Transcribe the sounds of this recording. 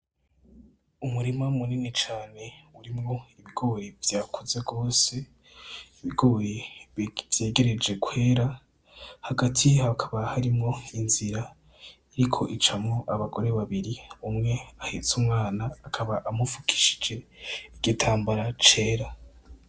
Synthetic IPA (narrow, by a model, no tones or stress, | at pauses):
umuɾimamuniːnit͡ʃaːne̞uɾimŋo̞iβiɡo̞ːɾevjaːkʰuze̞ɡo̞ːse̞ | iβiɡo̞ːɾe | vje̞ːɡe̞ɾe̞d͡ʒe̞kʰwe̞ːɾa | haɡatʰiakʰḁβahaɾimŋo̞inziɾa | iɾikʰo̞ʔit͡ʃamŋo̞ʔaβaɡo̞ɾe̞βaβiɾiumŋe̞ahit͡sumŋaːnaːkʰaβaʔamufukʰi̥ʃi̥d͡ʒe̞iɡitʰaːmbaɾat͡ʃe̞ːɾa